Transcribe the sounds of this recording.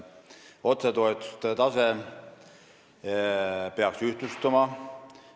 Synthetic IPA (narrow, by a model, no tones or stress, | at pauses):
o̞t̪set̪o̞et̪ːˑu̥st̪et̪ɑse | peɑksyht̪lust̪umɑ